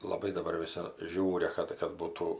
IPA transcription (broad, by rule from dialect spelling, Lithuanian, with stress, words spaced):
lˠɐˈbɐɪ dɐ bɐr ʋʲɪˈsʲɪ ˈʒʲuːrʲɛ ˈkɐt kɐt ˈbuːtuː